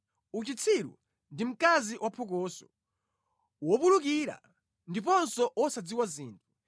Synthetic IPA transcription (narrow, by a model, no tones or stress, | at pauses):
ut͡ʃit͡sʰiɾṵ | ndim̩kaziwʔapʰɔkɔːsɔ | wɔpuluk̬iɾa̰ | ndip̬ɔnsɔʔwɔsad͡ziwaziːntʰu